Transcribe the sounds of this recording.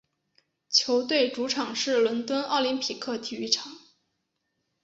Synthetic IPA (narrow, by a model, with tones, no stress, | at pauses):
t͡ɕʰjo˧˥ʊt̪we˥˩ɪʈ͡ʂu˧˥ʈ͡ʂʰɑ˨˩ŋʂɻ̩˥˩lwə˧˥nt̪wə˥nɑ˥˩ʊli˧˥npʰi˨˩kʰɤ˥˩t̪ʰi˨˩y˥˩ʈ͡ʂʰɑ˨˩˦ŋ